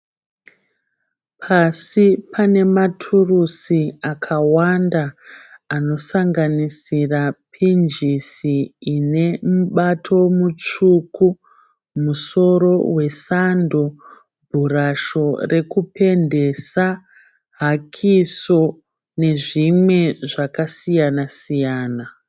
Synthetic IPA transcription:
pʰasipʰane̞matʰurusiakʰawandaː | no̞saŋɡanisirapʰind͡ʒisiːne̞muɓatʰo̞mut͡ʂuku | muso̞ɾo̞we̞sando | bʱuɾaʃo̞re̞kupe̞nde̞sa | ɦakʰiso̞ | ne̞ʐimwe̞ʐakasijanasijaːna

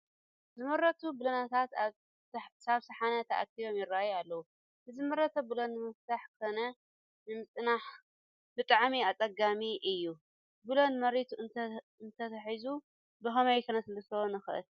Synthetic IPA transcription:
zɨmɐɾːɐt̪ʰubɨlɐnat̪ʰat̪ | saβsɐħanɐt̪ʰɐʔa̰k̚t̪ʰiβo̞mjɪɾːajalːɐwu | bɨzɨmɐɾɐt̪ʰɐbɨlonːɨmɨft̪ʰaħkɨkʰonɐ | nɨmɨt͡sʼnaħ | bɨt̪ʼaʕmiat͡sʼɐɡamiʔɨjːu | bɨlonmɐɾit̪ʰu | ɨnt̪ʰɐt̪ʰɐħizu | bɐxɐmɐjkʰɐnɐsɨlɐst̪ʰɐwonɨxɨʔɨ̰l

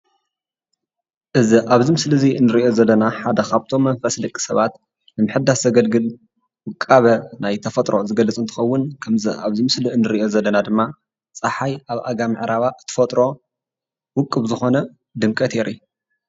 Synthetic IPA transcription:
ʔɨziʔaβzimɨslɨziɨnːɨɾiʔo̞zɐlːɐnaħad̪ɐkʰaβt̪ʰo̞mːɐnfɐsd̪ɐkʼːi̥sɐβat̪ | nɨmɨħɨd̪ːaszɐɡɐlɡɨl | wɨkʼːaβɐnajt̪ʰɐfɐt̪ʼɾo̞zɨɡɐlːɐt͡sʼɨnt̪ʰɨ̥xɐwːʊnkʰɐmzɨ̰a̰βzimɨslɨɨnːɨɾiʔo̞zɐlːɐnad̪ɨmːa | t͡sʼaħajaβʔa̰ɡamɨʕɾaβaʔɨt̪ʰɨ̥fɐt̪ʼɾo̞ | wʊkʼːɨβzɨxo̞nɐ | d̪ɨmkʼɐt̪ʰeɾʔi

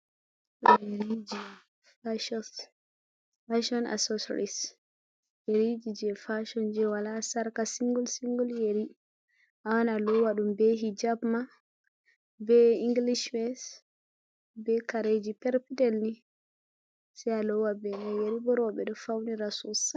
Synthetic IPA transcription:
ɗjeɾid͡ʒi | faʃɔs | faʃɔna̰sɔsɾis | jeɾid͡ʒid͡ʒɛfaʃɔnd͡ʒɛwalasaɾkasiŋɡulsiŋɡuljeɾi | ʔawanalɔwaɗumbɛɦid͡ʒabma | bɛiŋɡliʃwɛs | bɛkaɾed͡ʒipɛɾpidɛlni | sɛalɔwabɛnajeɾibɔɾɔɓɛɗɔfawniɾasus

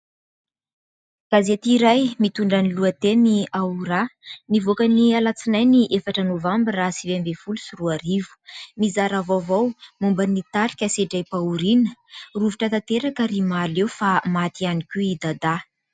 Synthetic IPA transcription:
ɡ̥azet̪iːɾajmit̪uɳɖ͡ʐaniluət̪eniauɾanivokanialat͡sinajniʔefaʈ͡ʂənovambirasivembefulusiruaɾivu̥mizaɾavovawmumbanit̪aɾi̥kʲəseɖ͡ʐajpauɾinəruviʈ͡ʂət̪at̪eɾakəɾimalewfamat̪ianikʲuid̪ad̪a

